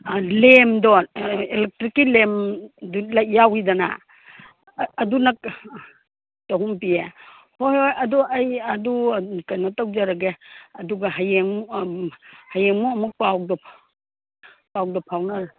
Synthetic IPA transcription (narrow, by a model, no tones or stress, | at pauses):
lemdɔelek̚tɾikːilemdulajjawidana̰ | dunɐk̚ | toɦuŋpie | hojojɐduɐjɐdukajnatawd͡ʒaɾaɡeɐduɡaɦajeŋ | hajeŋmuɐmuk̚pawk̚dɔ | pawk̚dɔpʰawna